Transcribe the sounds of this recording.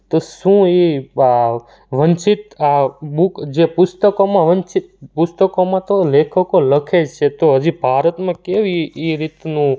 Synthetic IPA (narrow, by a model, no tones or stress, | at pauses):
t̪oʃũe | ʋənt͡ʃit̪abukd͡ʒepʊst̪əkomãʋənt͡ʃit̪pʊst̪əkomãt̪olekʰəkoləkʰed͡ʒt͡ʃʰet̪oɦəd͡ʒibʱaɾət̪mãkeʋiːɾit̪nũ